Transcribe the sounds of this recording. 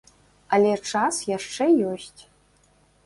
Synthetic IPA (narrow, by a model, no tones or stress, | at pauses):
alʲeʈ͡ʂʰasjaʂʈ͡ʂejoɕtʲʰʼ